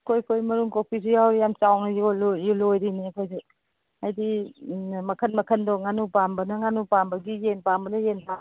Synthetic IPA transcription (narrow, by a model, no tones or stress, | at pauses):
kʰojkʰojmɐɾuŋkopʰis̬ijawɾijamt͡ʃawnijlojulojɾinikʰojsi | ajdi | mɐkʰɐnmɐkʰəndɔŋanupambɐnɐŋanupambɐɡijenpambɐnɐjenpa